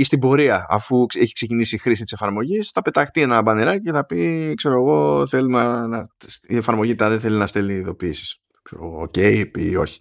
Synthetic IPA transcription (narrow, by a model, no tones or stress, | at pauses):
ist̪ibo̞ɾiɐɐ̰fueçi̥kse̞cinisixɾisit̪ise̞fɐɾmo̞ʝisθɐpe̞t̪ɐxt̪ie̞nɐɐbɐneɾɐciceθɐpikse̞ɾo̞ɣo̞θe̞lunɐnɐsie̞fɐɾmo̞ʝit̪ɐðeθe̞linɐst̪e̞lniːðo̞piːsi̥s | kseɾo̰ɣooce̞ipḭo̞̰çi̥